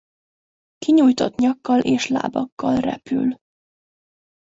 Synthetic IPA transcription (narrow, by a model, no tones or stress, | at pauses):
kiɲujt̪o̞t̪ɲɒkːɒlʔeːʃla̰ːbɒkːɒlrɛ̰py̰l